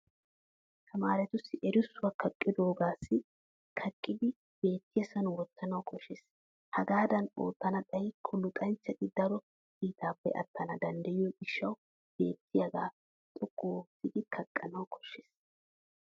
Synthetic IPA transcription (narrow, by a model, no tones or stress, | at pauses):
t̪ʰɐmaːɾɛt̪ʊsːɪʔɛɾʊsːʊwakʰɐkʼːɪd̪o̞ːɡaːsːɪ | kʰɐkʼːɪd̪ɪ | b̥e̞ːt̪ːɪjɐsɐnʊwɔt̪ːɐnɐwkʰɔʃːeːs | hɐɡaːd̪ɐno̰ːt̪ːɐnɐt̪ʼɐjkʰʊlːʊt̪ʼɐnt͡sːɛt̪ʼːɪd̪ɐɾɔ | kiːt̪aːpːɛ̰ʔɐ̰t̪ːɐnɐd̪ɐnd̪ɐjɪjɔɡɪʃːɐw | b̥e̞ːt̪ːɪjɐɡa̰ː | t̪ʼʊkʼːoːsɪd̪ɪkʰɐkʼːɐnɐwkʰɔ̥ʃːeːs